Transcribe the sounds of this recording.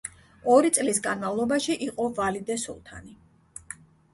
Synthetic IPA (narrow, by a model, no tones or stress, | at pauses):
ɔɾit̪sʼlisɡanmavlˠɔbaʃiʔiqʼɔvalid̪ɛsɔ̰lˠt̪ʰa̰ni